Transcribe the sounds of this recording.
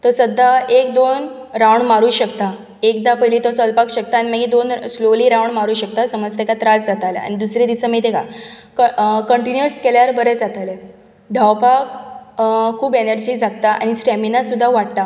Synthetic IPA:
t̪ɔsəd̪ʱːaʔek̚d̪on | ɾawɳmaɾuːɕəkt̪a | ek̚d̪apəɦilit̪ɔt͡səlpakɕək̚t̪aːñiməɡid̪onsloliːɾawɳmaɾuːɕək̚t̪asəməd͡zt̪ekat̪ɾad͡zd͡zat̪alea̰ɽ̃id̪usɾid̪isəmit̪ekakkəɳʈinjuskeljaɾbəɾed͡zat̪ale | d̪ʱawpak | kʰːuːbenəɾd͡ʑiːd͡zʱakt̪aʔa̰ñisʈæminasud̪ʱːaʋaʈt̪a

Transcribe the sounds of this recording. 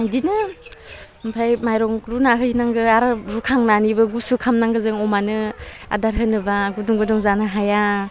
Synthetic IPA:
ajdinɯ | mpʰɾajmajɾɔŋɾunaɦɯjnaŋɡɯaɾɯɾukʰaŋnanibɯɡusukʰamnaŋɡɯzɯŋɔmanɯa̰daɾɦɯnːɯbaɡuduŋɡɯdɔŋzanɯɦaja

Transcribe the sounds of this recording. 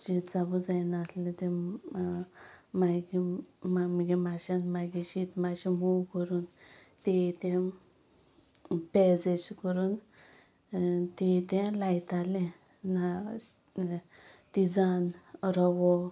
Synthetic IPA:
d͡ʑit͡sabud͡zajnaslẽt̪ẽ | maɡimamɡimaɕãnmaɡiɕit̪maɕĩmuwkəɾuːnt̪et̪ẽ | pɛd͡zeskəɾuːn | t̪et̪ẽlajt̪alẽ | na | t̪id͡zanɾɔʋɔ

